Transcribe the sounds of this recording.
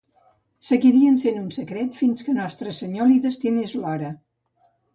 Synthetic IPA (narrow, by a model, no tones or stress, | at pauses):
səɣiɾiənsenunsəkɾɛt̪finskənɔst̪ɾəsəɲoliðəst̪inezlɔɾə